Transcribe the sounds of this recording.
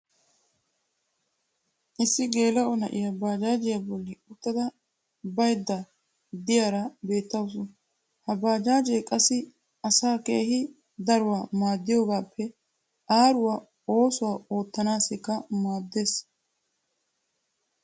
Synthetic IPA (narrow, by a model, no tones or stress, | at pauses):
ʔɪsːɪɡe̞ːlɐʔɔnɐʔɪjɐbaːd͡ʒaːd͡ʒɪjɐbɔlːɪʊt̪ːɐd̪ɐ | bɐjd̪ːɐ | d̪ɪjaɾɐbe̞ːt̪ːɐws̬ʊn | hɐbaːd͡ʒaːd͡ʒɛjkʼɐsːɪ | ɐsaːke̞ːhɪ | d̪ɐɾʊwaːmaːd̪ːɪjɔːɡaːpʰːɛ | ʔaːɾʊwa | o̞ːsʊwaːo̞ːt̪ːɐnaːsɛkːɐmaːd̪ːeːs